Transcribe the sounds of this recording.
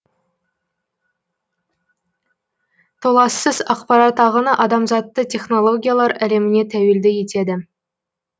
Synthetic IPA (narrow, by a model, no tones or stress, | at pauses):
t̪ʰolˠɑsːəzɑqpɑɾɑt̪ɑʁənəʔɑd̪ɑmzɑt̪ːət̪ʲʰe̞χno̞lˠo̞ɡʲijalˠɑɾæle̞mɪne̞t̪ʰæwild̪ɪje̞t̪e̞d̪ɪ